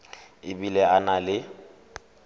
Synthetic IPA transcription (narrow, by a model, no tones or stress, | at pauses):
ɪbilɛanalɪ